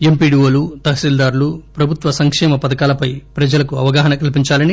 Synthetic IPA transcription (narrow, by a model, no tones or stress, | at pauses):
empiːɖioːlut̪ɐɦɐsild̪aːɾulupɾɐbʱut̪ʋɐsɐŋkʂɛːmɐpɐd̪ɐkaːlɐpɐjpɾɐd͡ʒɐlɐkuɐʋɐɡaːɦɐnɐkɐlpiɲt͡ʃaːlɐni